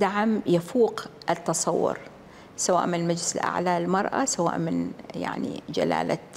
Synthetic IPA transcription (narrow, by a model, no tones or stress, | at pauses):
d̪aʕamjafuːqʔɪt̪ːɑsˤɑwːʊ̰ɾ | sawaːʔmɪnmad͡ʒlɪsɪlʔa̰ʕlaːlmɑɾˤʔa̰sawa̰ːʔmɪnja̰ʕnḭd͡ʒa̰la̰ːla